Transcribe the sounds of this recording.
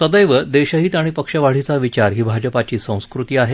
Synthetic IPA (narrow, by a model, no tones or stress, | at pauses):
səd̪əjʋəd̪eɕəɦiːt̪aɽ̃ipəkʂəʋaɽ̤it͡saʋit͡ɕaɾɦiːbʱad͡ʑəpat͡ɕiːsə̃w̃skɾut̪iːaɦe